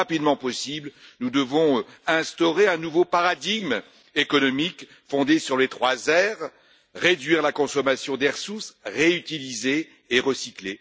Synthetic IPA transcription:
apid̪mɑ̃pɔsiblnud̪əvɔ̃ɛ̃st̪ɔʁeɛ̃nuvopaʁad̪iɡm | ekɔnɔmik | fɔ̃d̪esyʁlet̪χwazɛʁː | ed̪ɥiʁlakɔ̃sɔmasjɔ̃d̪ɛʁsusʁeyt̪ilizeː | ʁəsikle

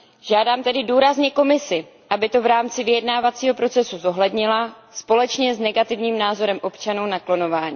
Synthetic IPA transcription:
ʒ̥aːdaːmt̪ɛdɪduːɾazɲɛko̞mɪsɪ | ʔabɪt̪o̞vɾaːmt͡sɪvɪjɛdnaːvat͡siːɦo̞pɾo̞t͡sɛsuzo̞ɦlɛdɲɪla | spo̞lɛt͡ʃɲɛznɛɡat̪ɪvɲiːmnaːzo̞ɾɛmʔo̞pt͡ʃanuwnaklo̞no̞vaːɲi

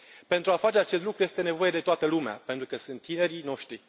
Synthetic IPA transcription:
pe̞nt̪ɾuafat͡ʃeat͡ʃe̞st̪lukɾuje̞st̪e̞ne̞vo̞jed̪e̞t̪oat̪əlumea̰pe̞nt̪ɾukəsɨnt̪ːine̞ɾino̞ʃt̪ɾi

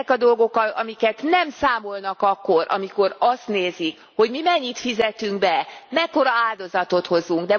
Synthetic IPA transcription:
ɛkɒd̪o̞lɡo̞kɒɒmikɛt̪nɛmsaːmo̞lnɒkɒkːo̞ɾʔɒ̰miko̞ɾɒst̪neːzik | ho̞ɟmimɛɲːit̪fizɛt̪yŋɡbɛmɛkːo̞ɾɒaːld̪o̞zɒt̪o̞t̪ho̞zuŋɡd̪ɛ

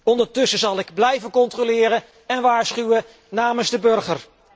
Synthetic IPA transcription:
ɔndəɹtɵsəzɑlˠɪɡblɛjvənkɔntrolɪːɾə | ɛnʋaːɹsχywə | naːmənzdəbɵrχər

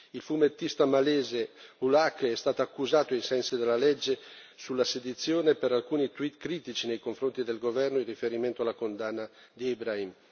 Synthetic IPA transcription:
ilfumet̪ːist̪amaleːzeulakːɛst̪aːt̪oakːuzaːt̪oajsɛnsid̪elːalɛd͡ʒːe | sulːased̪it̪sːjoːnepeɾalkuːnit̪wit̪kɾiːt̪it͡ʃinejkoɱfɾont̪id̪elɡovɛrnoilrːifeɾiment̪oalːakond̪anːa | d̪iibɾaim

